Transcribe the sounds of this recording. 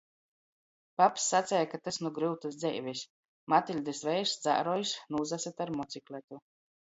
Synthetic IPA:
papsːat̪sʲɛjakat̪asnuɡɾɨwt̪asd̪zɛ̰jvʲɛsʲ | mat̪ilʲd̪ɨsvɛjɾsd̪za̰ːɾɔjsnuːzasat̪aɾmɔt̪sʲiklʲɛt̪u

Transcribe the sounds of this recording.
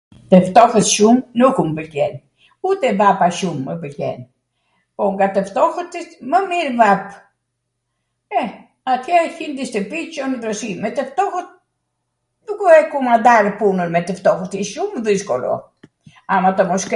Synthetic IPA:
t̪əft̪ɔxət̪ʃumnukumbəlkɛn | ut̪ɛvapaʃumːəbəlcɛ̰n | pɔŋɡat̪əft̪ɔxət̪it̪məmiɾvap | ɛ | at̪ʰjɛçind̪ist̪əpit͡ʃɔnəd̪ɾɔsimɛt̪əft̪ɔxət̪̚ | dukuɛkumad̪aɾpunəɾmɛt̪əft̪ɔxət̪iʃumðiskɔlɔ̰ | amat̪ɔmɔsk

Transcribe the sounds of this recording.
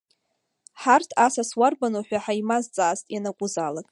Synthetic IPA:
ħartʰasaswarbanoħʷᶣaħaimazt͡sʼaːstʼjanaɡʷʼʊzalakʼ

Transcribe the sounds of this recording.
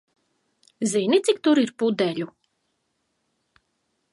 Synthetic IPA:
zinit̪sikt̪uɾiɾpud̪ɛlʲu

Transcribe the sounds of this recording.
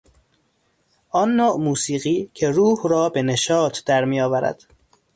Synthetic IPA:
ʔɒːnːoːʔmuːsiːɣiːcʰe̞ɾuːhɾɒːbe̞neʃɒːt̪ʰd̪æɾmiːjɒːvæɾæ̰d̪̥

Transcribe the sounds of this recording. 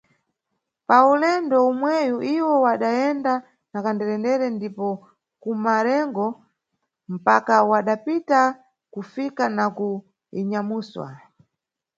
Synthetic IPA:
paulɛndɔumwɛjuʔiwɔwaɗajɛnda | nakandɛɾɛndɛɾɛndipɔ | kumaɾɛŋɡɔ | m̩pakawaɗapita | kufikanaku | iɲamuːswa̰

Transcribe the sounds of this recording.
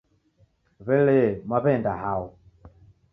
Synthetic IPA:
βɛlɛmwaβɛndahau

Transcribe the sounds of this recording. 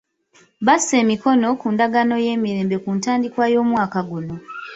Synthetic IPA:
βase̞ːmiko̞no̞kundaɡano̞je̞ːmiɾe̞ːmbe̞kuːntaːndikwajo̞ːmwaːkaɡuno̞

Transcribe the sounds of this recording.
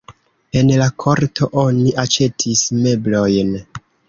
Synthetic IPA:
e̞nlakʰo̞ɾtʰo̞ʔo̞niʔat͡ʃe̞tʰisme̞blo̞jn

